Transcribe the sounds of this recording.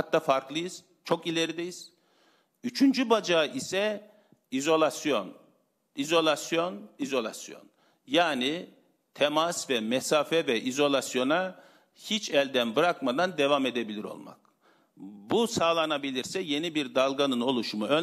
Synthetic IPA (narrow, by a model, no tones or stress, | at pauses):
at̪ːafaɾklˠɯjɯz̥ | t͡ʃʰo̞kilʲe̞ɾid̪ejiz̥ | yt͡ʃʰynd͡ʒybad͡ʒaʔisɛ | izo̞lʲˠasjo̞n | izo̞lˠasjo̞nizo̞lʲˠa̰sjo̞̰n | jaːni | t̪ʰemasvɛmɛsaːfɛvɛʔizo̞lˠasjo̞na | hit͡ʃɛlʲd̪ænbɯɾakmad̪and̪e̞vame̞d̪ebilʲiɾo̞̰lˠma̰k | busaːlˠanabilʲiɾsɛje̞nibiɾd̪alˠɡanɯno̞lˠuʃumuø